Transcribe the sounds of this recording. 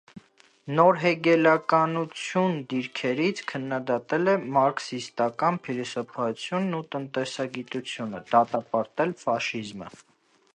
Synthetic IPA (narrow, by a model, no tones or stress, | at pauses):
nɔɾɦɛɡɛlɑkɑnut͡sʰjund̪iɾkʰɛɾit͡sʰkʰənːɑd̪ɑt̪ɛlɛmɑɾksist̪ɑkɑnpʰilɛsɔpʰɑut͡sʰjunːut̪ənt̪ɛsɑɡit̪ut͡sʰjunə̰d̪̥ɑt̪ɑpɑɾt̪ɛlfɑʃizmə̰